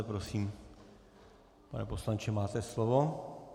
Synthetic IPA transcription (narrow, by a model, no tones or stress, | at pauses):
ɛpɾosiːm | pa̰nɛ̰po̞slant͡ʃɛmaːt̪ɛslovo̞